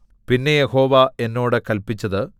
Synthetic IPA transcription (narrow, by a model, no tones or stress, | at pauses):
pinːe̞jeho̞ːʋɐe̞nːo̞ːɽɨkɐlpit͡ɕːɐðɨ